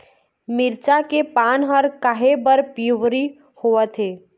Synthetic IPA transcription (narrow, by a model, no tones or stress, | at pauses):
mɪɾt͡ʃakepaːnɦəɾkaɦebəɾpjuʋɾi | hoət̪ɦeː